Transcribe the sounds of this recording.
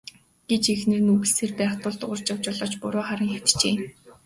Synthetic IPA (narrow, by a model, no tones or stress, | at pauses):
ɡ̥et͡ɕexnĕrnuɣɘ̆ɮseːrpæːχt̪ʊːɮt̪ʊʁʊ̆r̥t͡ɕɔw̥t͡ɕɔɮɔːt͡ɕpʊɾʊːχaɾə̆ŋxaw̥t̪t͡ɕeː